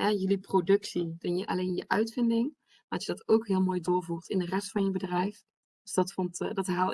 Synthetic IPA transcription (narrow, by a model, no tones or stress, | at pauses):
ɛjɵliprodɵksidɑnjəʔɑ̰lejnjəʔœɥtfɪndɪŋ | maɑsjədɑtowkɦɪːlˠmoːjdʊːɹvuːrtɪndərɛstfɑnjəbədrɛjf | d̥øsdɑtfɔntdɑtɦaːlˠ